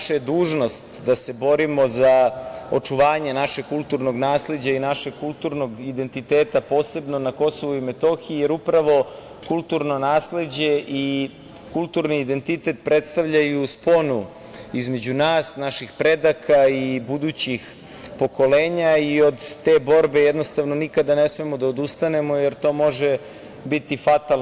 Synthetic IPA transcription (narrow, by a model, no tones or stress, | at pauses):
ʃaed̪uːʒno̞st̪d̪ase̞bo̞ɾimo̞zaot͡ʂuʋaːɲenaʃeɡ̚kulˠt̪uɾno̞ɡnaːsle̞d͡ʑainaʃe̞ɡ̚kulˠt̪uːɾno̞ɡid̪e̞nt̪it̪eːt̪apo̞ːse̞bnonako̞so̞ʋuimet̪o̞xiijeɾupɾaʋo̞ | kulˠt̪uɾno̞naːsle̞d͡ʑe̞ʔi | kulˠt̪uɾniːd̪e̞nt̪it̪e̞t̪̚pɾet̪st̪aʋʎajuspo̞nu | izme̞d͡ʑunaːsnaʃixpɾe̞d̪akʰaibud̪uːt͡ɕix | po̞ko̞leːɲaio̞d̪t̪e̞ːbo̞ɾbe̞jed̪no̞st̪aʋno̞nikad̪ane̞smemo̞d̪aod̪ust̪ane̞mo̞je̞ɾt̪o̞ːmo̞ʒe | bit̪ifat̪al